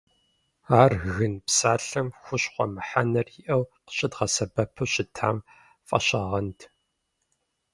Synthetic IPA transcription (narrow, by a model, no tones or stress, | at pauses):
aːrɣɨnpsaːɬɨmxʷʊɕχʷɔmɨħanɐrjiʔɐwqə̥ɕʼɪdʁɐsɐbɐpʰɨɕʼɪtʰa̰ːm | fʼɐ̰ɕaːʁɐntʰ